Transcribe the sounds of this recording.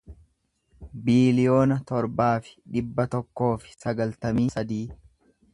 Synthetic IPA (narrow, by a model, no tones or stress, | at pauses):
biːlɪjo̞ːnɐt̪ɔɾbaːfɪ̥ᶑɪbːɐt̪ɔkːo̞ːfɪ̥sɐɡɐlt̪ɐmiːsɐd̪iː